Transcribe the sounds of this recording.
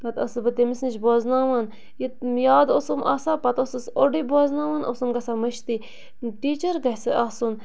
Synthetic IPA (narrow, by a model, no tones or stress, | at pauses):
kɐt̪ɐ̰sɨbɐt̪emisnt͡ʃboːznaːʋɐn | jit̪̚jaːd̪osɨmʔa̰ːsapɐt̪osɨsoɖiboːznaːʋanʔo̰sumɡɐsamɐʃt̪i | ʈiːt͡ʃəɾɡɐhsɨʔasun